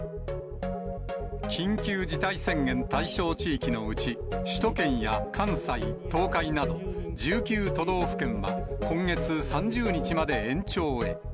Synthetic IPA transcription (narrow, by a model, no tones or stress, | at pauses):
kʲʰĩŋkʲɨːd͡ʑit̪aisẽ̞ŋɡẽ̞nt̪aiɕo̞ːt͡ɕiːkʲino̞ɯ̟t͡ɕi | ɕi̥t̪o̞kẽ̞ɰ̃jakʰãɰ̃sait̪o̞ːkainad̪o̞d͡ʑɨːkʲɨːt̪o̞d̪o̞ːɸɯ̥kẽ̞ɰ̃βa̰kõ̞ŋɡe̞t͡sɨsãɲd͡ʑɨːɲ̟it͡ɕimad̪e̞ẽ̞ɲt͡ɕo̞ːe̞̰